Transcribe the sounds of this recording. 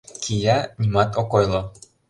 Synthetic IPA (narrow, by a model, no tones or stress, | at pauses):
kʰijɑnʲimɑt̪okojlˠo